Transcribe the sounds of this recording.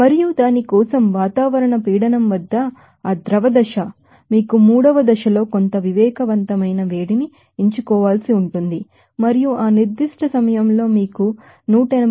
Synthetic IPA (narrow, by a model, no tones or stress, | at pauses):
mɐɾijud̪aːnikɔːsɐmʋaːt̪aːʋɐɾɐɳɐpiːɽɐnɐmʋɐd̪ːɐ | aːd̪ɾɐʋɐd̪ɐʃɐ | miːkumuːɽɐʋɐd̪ɐʃɐlo̞ːko̞nt̪ɐʋiʋɛːkɐʋɐnt̪ɐmɐjnɐʋe̞ːɽini | iɲt͡ʃukɔːʋaːlsiuɳʈund̪i | mɐɾijuʔaːniɾd̪iʂʈʰɐsɐmɐjɐmlo̞ːmiːku | nuːʈɐenɐ